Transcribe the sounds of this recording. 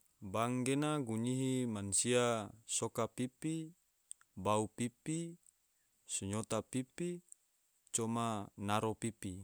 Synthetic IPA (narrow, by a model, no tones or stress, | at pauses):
baŋɡenaɡuɲiɦimansiasokapipi | baupipi | suɲot̪apipi | t͡ʃɔmanaɾopipi